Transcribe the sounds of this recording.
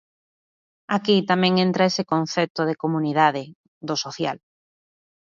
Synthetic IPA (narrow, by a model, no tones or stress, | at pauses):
akit̪amẽŋẽnt̪ɾaesekõn̟θet̪oð̞ekomunið̞aðɪ | d̪osoθja̰l